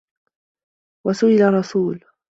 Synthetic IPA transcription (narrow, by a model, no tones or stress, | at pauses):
wasʊʔɪlarˤːɑsuːl